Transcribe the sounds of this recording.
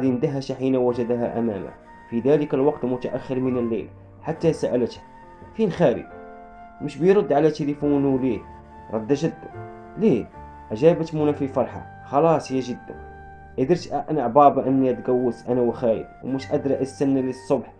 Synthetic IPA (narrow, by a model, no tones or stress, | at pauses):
qɑd̪ind̪æɦæʃaħinæwæʒæd̪ɦæ̰ʔæ̰mæ̰mæ̰ | fid̪æləkælwɑqt̪lmʊt̪aʔæxːəɾmənəlːḛl | ħat̪ːæsæʔælət̪hæ | finxæɾə̰ɡ̪̚ | məʃbəjɾˤod̪ːʕalæt̪əlifunuwli | ɾˤɑd̪ːæʒəd̪ːə | li | ʔæʒæbət̪munæfifɑɾˤħɑ̰ | xɑlɑsˤhəjːæʒəd̪ːæ̰n | ʔæd̪əɾt̪ʔʔænaʕbɑbʔənːiæt̪ɡæwːəsʔænæwəxæɾə̰d̪̚wmuʃʔæd̪ɾˤɑʔæsænːlisˤːobħ